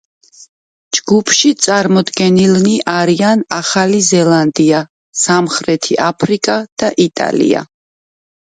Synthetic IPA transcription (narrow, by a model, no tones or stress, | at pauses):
d͡ʒɡupʰʃit̪sʼaɾmɔd̪ɡɛnilniʔaɾianaχalizɛlˠand̪ia | samχɾɛt̪ʰiʔapʰɾikʼad̪̥aʔit̪ʼa̰lḭa̰